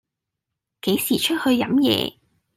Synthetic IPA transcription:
ke˨˥jsiː˨˩t͡ʃʰɵ˥t̚hɵ˧ɥjɐ˨˥mjɛ̰ː˨˧

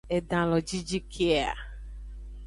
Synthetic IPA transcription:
ɛ˨dã˨lɔ˨d͡ʒi˦d͡ʒi˦kʰe˦a˨

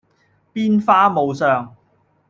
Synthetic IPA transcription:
piː˥nfaː˥mo˨˧wsœː˨ŋ

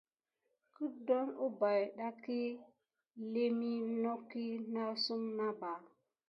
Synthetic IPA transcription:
ku˦do˦nu˦ba˨jɗa˦ki˦ | le˦mi˦no˦kːi˦na˦su˦mna˦ba˨

